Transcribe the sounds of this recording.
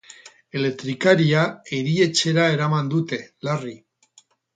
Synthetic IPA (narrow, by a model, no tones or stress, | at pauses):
e̞le̞k̚t̪ɾikaɾiae̞ɾie̞t͡ʃe̞ɾae̞ɾamand̪ut̪e̞lari